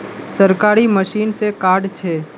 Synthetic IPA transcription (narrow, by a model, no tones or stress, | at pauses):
səɾkaːɾiməʃiːnsekaːɾɖt͡ʃʰeː